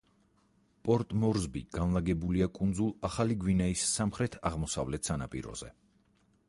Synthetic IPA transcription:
pʼɔɾt̪ʼmɔɾzbḭɡ̥anlˠaɡɛbuliakʼund̪zulˠaχaliɡwinaisːamχɾɛt̪ʰaʁmɔsa̰vlɛt̪ʰsanapʼḭɾɔ̰z̥ɛ̰

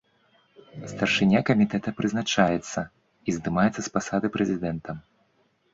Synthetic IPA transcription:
st̪ɐrʂɨnʲakɐmʲit̪ɛt̪ɐpɾɨznat͡ʂajɛt̪sːɐ | izd̪ɨmajɛt̪sːɐspasad̪ɨpɾɛzʲid̪ɛnt̪ɐ

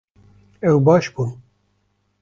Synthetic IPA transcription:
ɛwbɑːʃbun

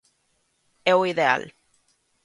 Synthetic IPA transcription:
ewiðea̰l

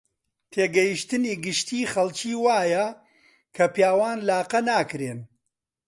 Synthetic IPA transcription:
t̪ʰeːɡɐjiʃt̪ɨniːɡɨʃt̪ʰiːχɐlˠt͡ʃiːwaːjɐ | kʰɐpjaːwaːnlaːqɐnaːkɾeːn

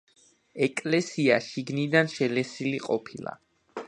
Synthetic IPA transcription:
ɛkʼlɛsiaʃiɡnid̪anʃɛlɛsiliqʼɔpʰilˠa̰

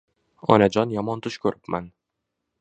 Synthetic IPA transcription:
ɒ̰nad͡ʒɒnjɒmɒnt̪ʰʊʃkʲʰɵɾʔɪpman

